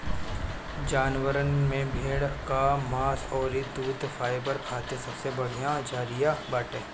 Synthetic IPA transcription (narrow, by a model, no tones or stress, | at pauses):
d͡ʒaːnwəɾənmẽbʱeːɽkamaːsɔːɾid̪uːt̪faːɪbəɾkʰaːt̪esɐbsebɐɽ̤ijãd͡ʒaːɾijabaːʈẽː